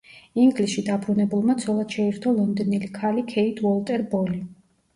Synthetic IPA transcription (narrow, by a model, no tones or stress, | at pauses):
iŋɡlisʃid̪abʰɾunɛbulˠmat̪sʰɔlˠad̪̥ʃɛiɾt̪ʰɔlˠɔnd̪ɔnilikʰalikʰɛit̪ʰwɔlˠt̪ʼɛɾbɔli